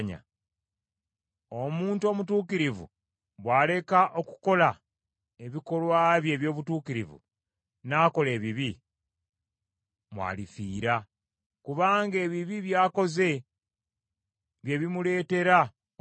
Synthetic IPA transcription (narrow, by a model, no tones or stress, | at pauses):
ɲa̰ | omuːntuo̞ːmutuːkiɾivṵ | βwaːle̞kaʔo̞ku̥ko̞la | e̞βiko̞lwaːβje̞ːβjo̞ːβutuːkiɾivṵ | naːko̞le̞ːβiβi | mwa̰ːlifiːɾa | kuβaːŋɡe̞ːβiβiβjaːko̞ze̞ | βje̞βimule̞ːte̞ɾa